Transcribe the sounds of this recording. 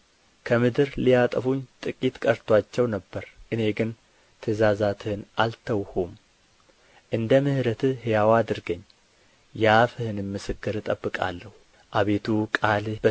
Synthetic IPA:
kʰəmɨd̪ɨɾlijat̪ʼəfuɲt̪ʼɨkʼit̪kʼəɾt̪ʰwat͡ʃːɛwnəbːəɾʔɨne̞ɡɨn | t̪ʰəzazat̪ʰɨhɨnʔalt̪ʰəwhum | ʔɨnd̪əmɨhɾət̪ʰɨhjawad̪ɨɾɡəɲː | jafɨhɨnɨmmːɨsɨkːɨɾɨt̪ʼəbːɨkʼa̰lːəhu | ʔaβe̞t̪ʰukʼalb

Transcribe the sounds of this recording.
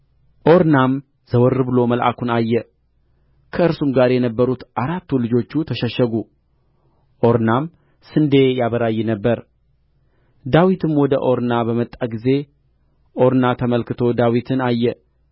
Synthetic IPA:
ʔo̞ɾnam | z̥əwɔɾːɨbɨlo̞məlʔa̰kunajːɛ | kʰəɨɾsumɡaɾjɛnəbːəɾut̪ʔaɾat̪ːulɨd͡ʒo̞t͡ʃːut̪ʰəʃəʃːəɡu | ʔo̞ɾnam | sɨnd̪e̞jaβəɾajːɛnəbːəɾ | d̪awit̪ʰɨmwɔd̪əʔo̞ɾnabəmət̪ʼːaɡize̞ | ʔo̞ɾnat̪ʰəməlkɨt̪ʰo̞d̪awit̪ʰɨnajːɛ

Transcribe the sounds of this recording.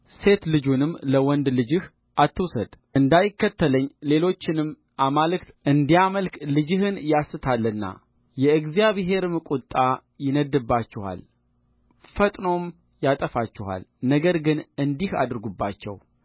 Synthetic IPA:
se̞t̪lɨd͡ʒunɨmləwɔnd̪lɨd͡ʒɨh | ʔat̪ʰːɨwsəd̪̥ʔɨnd̪ajɪkːət̪ʰːələɲːle̞lo̞t͡ʃːɪnɨm | ʔamalɨkt̪ʔɨnd̪ijaməlklɨd͡ʒɨhɨnjasːɨt̪ʰalːənːa̰ | jɛɨɡzijaβɦe̞ɾɨmɨkʼut̪ʼːajɪnəd̪ːɨbːat͡ʃːɪha̰l | fət̪ʼno̞m | jat̪ʼəfat͡ʃːɪha̰lnəɡəɾɡɨnɨnd̪iha̰d̪ɨɾɡubːat͡ʃːɛ̰w

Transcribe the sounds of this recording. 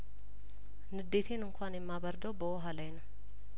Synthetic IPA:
nɨd̪ːeːt̪ʰeːnɨŋkʰʷʊaːnɪmːaːbɐɾd̪ɐwbɐɔɦɐlɐjnɐ

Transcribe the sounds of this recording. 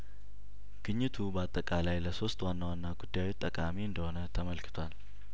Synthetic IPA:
ɡ̥ɨɲːɨt̪ʰubəat̪ʼːəkʼalajləso̞st̪wanːawanːaɡud̪ːajwet̪ʼːəkʼamiɨnd̪əho̞nət̪ʰəməlkʰɨ̥t̪ʰwal

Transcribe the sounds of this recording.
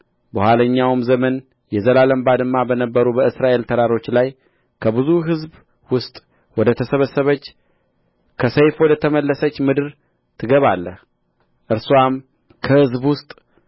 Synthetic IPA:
bəhʷwaləɲːawɨmzəmən | jɛzəlaləmbad̪ɨmːabənəbːəɾubəɨsɾaʔe̞lt̪ʰəɾaɾo̞t͡ʃːlaj | kʰəbɨzuɦɨzb | wʊst̪ʼ | wɔd̪ət̪ʰəsəβəsːəβət͡ʃː | kʰəsəjfwɔd̪ət̪ʰəməlːəsət͡ʃːmɨd̪ɨɾ | t̪ʰɨɡəβalːəh | ʔɨɾsuwam | kʰəhɨzbwʊst̪ʼ

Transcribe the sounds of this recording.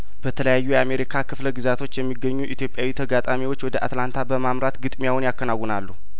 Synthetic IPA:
b̥ət̪ʰələjajːujɛame̞ɾikʰakɨfləɡɨzat̪ʰo̞t͡ʃːjɛmːiɡːəɲːuʔit̪jo̞pʼjawit̪ʰəɡat̪ʼamiwo̞t͡ʃːwɔd̪əʔa̰t̪lant̪ʰabəmamɾat̪ɡɨt̪ʼmijawʊnjakːənawːɔnalːu

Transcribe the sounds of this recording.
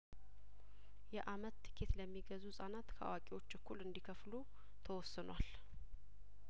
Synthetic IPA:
jɛʔamət̪ːɨ̥kʰet̪ləmːiɡəzusʼanat̪kʰəʔa̰wakʼewo̞t͡ʃːbəkʰːulɨnd̪ikʰəflu | t̪ʰəwɔsːɨnwal

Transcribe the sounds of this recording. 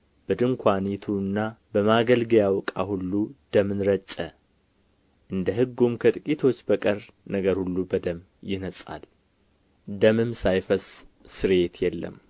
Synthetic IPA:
b̥əd̪ɨmkʷʰanit̪ʰuɨnːabəmaɡəlɡjawkʼa̰hulːud̪̥əmɨnɾət͡ʃʼːə | ʔɨnd̪əɦɨɡːumkʰət̪ʼɨkʼit̪ʰo̞t͡ʃːbəkʼəɾ | nəɡəɾhulːubəd̪əm | jɪnəsʼa̰l | d̪əmɨmsajfəsʼsɨɾe̞t̪jɛlːə̰m

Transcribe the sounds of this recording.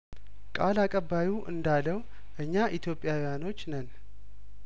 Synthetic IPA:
kʼalakʼəbːajuʔɨ̰nd̪aləw | ʔɨɲːaʔit̪ʰjo̞pʼjawjano̞t͡ʃːnən

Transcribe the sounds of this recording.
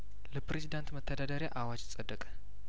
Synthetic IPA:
ləpɾezid̪ant̪mət̪ʰːəd̪ad̪aɾjaʔawad͡ʒsʼəd̪ːəkʼə̥

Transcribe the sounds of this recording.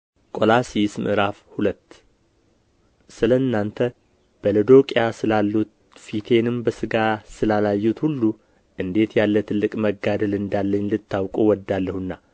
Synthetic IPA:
kʼo̞lasismʔɨ̰ɾafhulət̪ː | sɨləɨnːant̪ʰə | b̥ələd̪o̞kʼjasɨlalːut̪ | fit̪ʰe̞nɨmbəsɨɡasɨlalajːut̪hulːu | ʔɨnd̪e̞t̪jalːət̪ʰɨlːɨkʼməɡad̪əlɨnd̪alːəɲːlɨt̪ʰːawkʼuwɔd̪ːalːəhunːa

